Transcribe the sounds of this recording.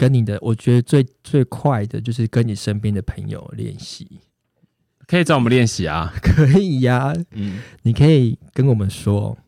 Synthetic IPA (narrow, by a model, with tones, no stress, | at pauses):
kə˦nni˨˩d̪ə˦wɔ˨˩t͡ɕɥɛ˧˦˥d̪ə˧t͡swe˥˧ɪt͡swe˥˧ɪkʰwa˥˨ɪd̪ə˨t͡ɕjo˥˧ʊʂ̬ɻ̩˥˩kə˦ni˨˩ʂə˦npjɛ˥˦nd̪ə˨pʰə˧˦ŋjo̰˨ʊljɛ̰˥˩nɕi˨˩˦ | kʰə˧˥i˨˩t͡sɑ˥˨wɔ˨ə˨˦ljɛ˥˨nɕi˨˦a̰˨kʰə˧˦i˨˩a˨ | ni˨˩kʰə˧˦˥i˨˩kə˦nwɔ˨˩mə˨˦nʂwɔ˦